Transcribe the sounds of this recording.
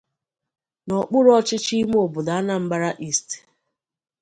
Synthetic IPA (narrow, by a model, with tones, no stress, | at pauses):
nɔ˨k͡pʊ˦ɾɔ˦t͡ʃɪ˦t͡ʃi˦m˦o˨bʊ˨da˨a˦na˦˨m̩˦ɡ͡ba˦ɾa˦ʔi˦˨st